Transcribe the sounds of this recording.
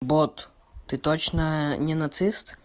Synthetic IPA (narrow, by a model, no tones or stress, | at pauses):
bɔt̪ | t̪ɪt̪ɔt͡ʃnɐnʲɛnɐt̪sɪst̪